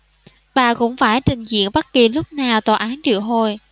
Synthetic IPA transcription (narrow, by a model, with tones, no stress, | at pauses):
ɓaː˨˩kʊ̰˧˥ŋ͡mfaː˧˩jt͡ɕï˨˩ŋ̟zḭ˧˨ənɓə˦˥t̚ki˨˩lʊ˦˥k͡p̚naː˨˩wt̪aː˨˩ʔaː˨˦nɗḭ˧˨əwɦo˨˩j